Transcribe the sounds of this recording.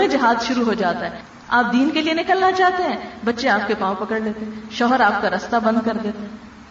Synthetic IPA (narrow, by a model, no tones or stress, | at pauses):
ẽd͡ʒɐɦaːzʃʊɾuɦod͡ʒaːt̪aɦɛ | aːp̚d̪iːnkelienɪkəlnat͡ʃaːɦt̪eɦɛ̃ːbɐtːʃeaːp̚kepãːõpɐkəɽleːt̪eɦɛ̃ʃɔːɦəɾaːp̚kaɾɐst̪abɐ̃nd̪̚kɐɾd̪eːt̪eɦɛɛ̃ː